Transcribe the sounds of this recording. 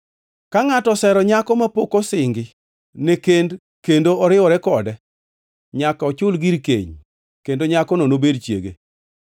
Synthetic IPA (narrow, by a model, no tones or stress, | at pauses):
kaŋatɔsɛɾɔɲakɔmapokosɪŋɡɪ | nekend | kendoɔɾɪɔɾɛkɔdɛ | ɲakaɔt͡ʃʊlɡiɾkḛɲ | kendoɲakɔnonobedt͡ʃjḛɡḛ